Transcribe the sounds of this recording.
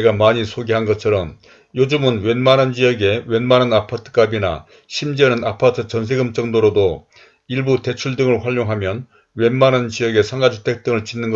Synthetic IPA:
eɡamaɲisʰoɡeɦanɡʌt͡ɕʰʌɾʌm | jod͡ʑumɯnwe̞nmanɯnd͡ʑijʌɡe̞wenmanɯnapʰatʰɯ̥k͈abina̰ | ɕʰimd͡ʑiʌnɯnapʰatʰɯt͡ɕʌns̬ʰe̞ɡɯmt͡ɕ͈ʌŋdoɾodo | iɭbute̞t͡ɕʰuɭdɯŋɯɭɸwaʎːoŋɦamjʌn | we̞nmanɯnt͡ɕijʌɡe̞sʰaŋɡad͡ʑʰitʰe̞k̚t͈ɯŋɯɭt͡ɕinːɯnɡʌ

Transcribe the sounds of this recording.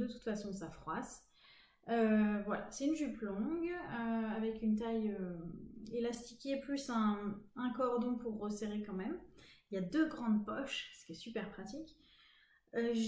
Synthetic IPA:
d̪ət̪u̥t̪fasɔ̃safχwas | øvwala̰sɛynʒyplɔ̃ɡøavɛkynt̪ajø | elast̪ikʲeplysɛ̃ɛ̃kɔʁd̪ɔ̃puʁːəseʁekɑ̃mɛmiljad̪øɡʁɑ̃d̪pɔʃsə̥kʲɛsypɛʁpχat̪ikʲ | øʒ

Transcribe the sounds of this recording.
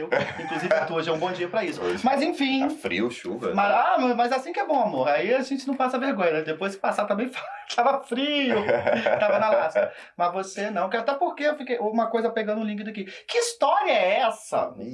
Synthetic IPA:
iwĩkluzivɪat̪uɐʒaũbõd͡ʒiɐpɾɐisʊmɐzẽfĩfɾḭwʃṵvɐ̰mɐzamɐmɐzasĩkɪɛbõw̃amoɾaiaʒẽnt͡ʃɪnɐ̃w̃fasɐveɾɡõɲɐnɛd̪epojskɪ̥pasat̪ɐ̃mbẽj̃fat̪ʰavɐfɾiʊt̪avɐnɐlasɐ | mɐzvosenɐ̃w̃kɛɾʊat̪ɛpoɾkeewfikejoũmɐkojzɐpeɡɐ̃nd̪ʊ̃lĩkɪd̪akikɪist̪ɔɾiɐɛɛsɐ̰

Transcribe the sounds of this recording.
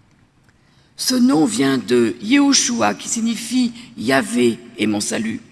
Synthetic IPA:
sənɔ̃vjɛ̃d̪əjeɔʃuakʲi̥sinifijaveːmɔ̃saly

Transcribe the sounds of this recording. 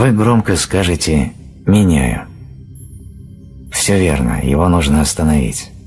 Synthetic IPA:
vɨɡɾo̞mkəskaʐɨtʲɪ | mʲɪnʲæ̰jʊ̰ | fsʲɵvʲḛrnə̰jɪ̰vo̞nuʐnəɐst̪ənɐvʲḭtʲ

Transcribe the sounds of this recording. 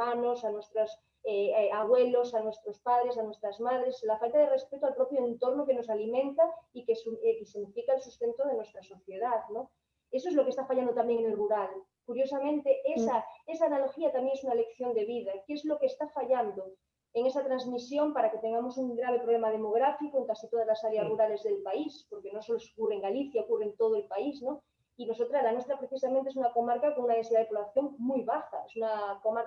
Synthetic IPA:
anosanwe̞st̪ɾos | eaβ̞we̞losanwe̞st̪ɾospað̞ɾesanwe̞st̪ɾazmaðɾe̞slafalt̪að̞ere̞spe̞t̪oalpɾo̞pjoẽnt̪oɾnoke̞no̞salimẽnt̪aikeskesiɣnifikaelsust̪e̞nt̪oð̞e̞nwest̪ɾaso̞θje̞ðaðno | es̬oezlo̞ke̞st̪afaʎand̪ot̪ambje̞ŋeŋelruɾal | kuɾjo̞samẽnt̪eesaesaːnaloxiat̪amjeesunalekθjo̞nd̪e̞β̞iðakeezlokest̪afaʎand̪o | eŋesat̪ɾazmisjo̞mpaɾaket̪e̞ŋɡamo̞suŋɡɾaβ̞epɾoβle̞mað̞e̞mo̞ɣ̞ɾafikoeŋkasit̪oðazlasaɾjaszruɾale̞zðelpaispo̞ɾkeno̞soloso̥kureŋɡaliθjaokurent̪oð̞oelpaizno | ino̞s̬ot̪ɾalanwe̞st̪ɾapɾeθisamẽnt̪ees̬unako̞maɾkakoŋunaensiðaðepoβlaθjo̞ŋmujβaxaesunakomaɾ

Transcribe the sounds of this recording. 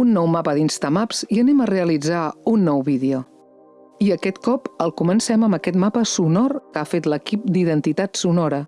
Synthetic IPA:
unːɔwmapəðinst̪əmapz̥iənɛməreəlid͡zaunːɔwβiðeo | iəkɛt̪kɔpəlˠkumənsɛməməkɛt̪mapəsunɔrkafet̪ləkip̚d̪iðənt̪it̪at̪sunɔɾə

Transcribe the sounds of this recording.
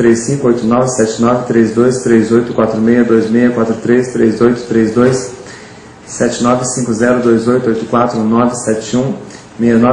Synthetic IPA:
t̪ɾesːĩŋkʊojt̪ʊnɔvɪsɛt͡ʃɪnɔvɪt̪ɾezd̪ojst̪ɾezojt̪ʊkwat̪ɾʊmejɐd̪ojzmejɐkwat̪ɾʊt̪ɾest̪ɾezojt̪ʊ̥t̪ɾezd̪ojsː | ɛt͡ʃɪnɔvɪsĩŋkʊzɛɾʊd̪ojzojt̪ʊojt̪ʊkwat̪ɾũnɔvɪsɛt͡ʃɪũ | mejɐnɔ

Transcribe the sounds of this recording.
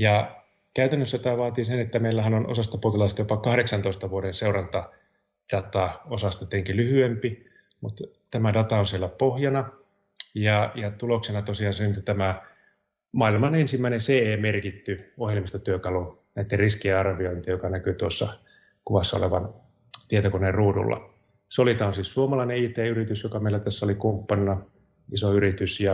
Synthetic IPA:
jɑ | kæyt̪ænːøsːæt̪æːʋɑːt̪iːsenet̪ːæmeilːæhænonʔo̰sɑst̪ɑpoh̪ilɑist̪ɑjopɑkɑhɾeksɑnt̪oˑist̪ɑʋuoɾenseurɑnt̪ɑ | d̥ɑt̪ɑosɑst̪ɑt̪eŋkilyhyempi | mut̪ | t̪æmædɑt̪ɑonsielːæpohjɑnɑ | jɑjɑt̪uloksenɑt̪osiɑːnsenyt̪ːut̪æmæ | mɑːilmɑnensimːæinenseeːmerkit̪ːyohjelmist̪ɑt̪yøkɑlu | næit̪ːerriskieɑrʋioint̪ijokɑnækyt̪uosːɑ | kuʋɑsːɑo̰leʋɑn | t̪iet̪okonerruːdṵlːɑ̰ | solit̪ɑonsiːssuomɑlɑineiːt̪eːyrit̪ysjokɑmeilæt̪æsːæolikumpːɑnːɑ | isoyrit̪ysjɑ

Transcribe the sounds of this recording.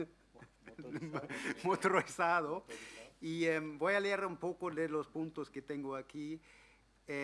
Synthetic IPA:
mot̪ɾoesaðo | iembojaleeɾumpokoðelospũnt̪osket̪eŋɡoaki | e

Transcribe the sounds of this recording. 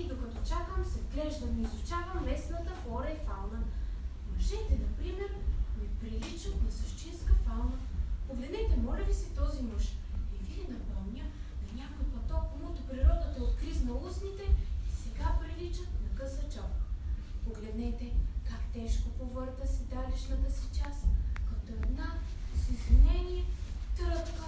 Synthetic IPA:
id̪okɐt̪ɔt͡ʃakəmsɛvɡlɛʒd̪ɐmizʊt͡ʃavɐmːɛsnɐt̪əxɔɾɐifalˠnɐ | mɐʒɛt̪ɛnɐpɾimɛɾmɛpɾilit͡ʃət̪nɐsɐʃt͡ʃinskəfalˠnɐpoɡlɛd̪nɛt̪ɛmɔlʲɐlisit̪ɔzimɤʃɛviɛnɐpɔmnʲə | nɐnʲakojpɐt̪ɔkmut̪ʊpɾiɾɔd̪ət̪ɐot̪kɾiznɐlˠusnit̪ɛisɛɡapɾilit͡ʃət̪nɐkɤsɐt͡ʃɔ | poɡlɛd̪nɛt̪ɛkakt̪ɛʃkopovɤɾt̪əsɛd̪ad̪ɛʃnɐt̪əsi̥t͡ʃaskɐt̪oɛd̪nasizinʲɛniɛt̪ɾɤt̪kə

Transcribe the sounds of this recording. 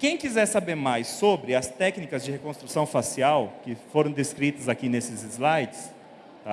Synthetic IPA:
kẽj̃kizɛɾsabeɾmajsobɾɪɐst̪ɛknikɐzd͡ʒɪhekõst̪ɾusɐ̃w̃fasiawkɪfoɾɐ̃w̃d̪eskɾit̪ɐzakinesɪzɪzlajt͡ʃɪ̥s | t̪a

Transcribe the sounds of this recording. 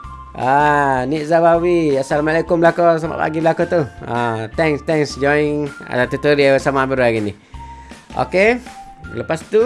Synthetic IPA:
aniʔzabawiasalamalakumbəlakos̬aba̰ʔpa̰ɡibəlakot̪uat̪ɛŋst̪ɛŋsd͡ʒɔjŋa̰dat̪ut̪əɾiawəsamabəɾaɡini | ʔo̰ke | ləpast̪u

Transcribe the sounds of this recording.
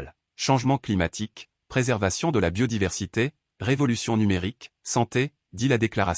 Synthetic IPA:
l | ʃɑ̃ʒmɑ̃klimat̪ʰik | pχezɛʁvasjɔ̃d̪əlabjɔd̪ivɛʁsit̪e | ʁevɔlysjɔ̃nymeʁiksɑ̃t̪e | d̪ilad̪eklaʁa

